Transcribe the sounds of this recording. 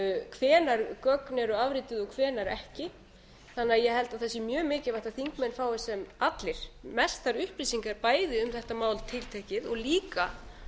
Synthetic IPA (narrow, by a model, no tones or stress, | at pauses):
kʰvɛːnaɾkœknɛɾʏavɾɪːt̪ɪðɔɣkʰvɛːnaɾɛhcɪ | θanːɪajɛɦɛlt̪aðθɛsːɪmjœːmɪːcɪɾvajht̪aθiŋkmɛnfaːwɪsɛmat̪lɪɾ̥mɛst̪aɾʏhpɾiːsiŋkaɾpaːjðɪʏmθɛht̪amaːwlt̪ʰɪlt̪ʰɛhcɪðɔɣliːka